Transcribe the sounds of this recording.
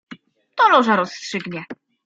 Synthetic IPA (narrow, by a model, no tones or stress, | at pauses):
t̪ɔlɔʐaɾɔsːtʂɘɡɲɛ